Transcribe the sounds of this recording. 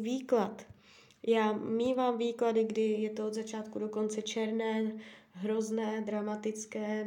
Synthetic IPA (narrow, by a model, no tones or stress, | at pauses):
viːklat̪ | jaːmiːvaːmviːkladɪɡdɪjɛt̪oozat͡ʃaːt̪kudo̞ko̞nt͡sɛt͡ʃɛɾnɛː | ɦɾoznɛːd̪ɾamat̪ɪt͡skɛː